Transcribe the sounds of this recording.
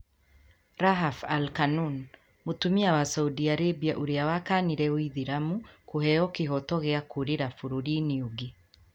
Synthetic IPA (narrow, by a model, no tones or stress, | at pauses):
ɾaɦafalkanun | mutumiawasaudiaɾebiaʔuɾeawakaːniɾɛwiðiɾamukuhɛɔkeɦɔtɔɣeakuɾeɾafuɾoɾiniuɡe